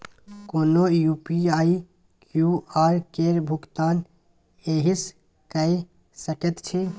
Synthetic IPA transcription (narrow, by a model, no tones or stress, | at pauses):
koːnoːjuːpiaːi | kjuːaːɾkeːɾbʱʊɡt̪aːn | eːɦis | kəi | səkət̪t͡ʃʰe